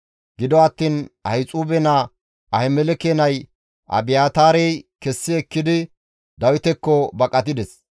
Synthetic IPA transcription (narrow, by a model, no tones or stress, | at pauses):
ɡɪd̪ɔɐt̪ːiːnɐjt͡sʼuːbɛna | ʔɐhɛmɛlɛkeːnɐj | ʔɐ̰bɪjaːt̪aːɾɛjkɛsːɪɛkːɪd̪ɪ | d̪ɐwɪt̪ɛkːɔbɐkʼɐt̪ɪd̪ɛs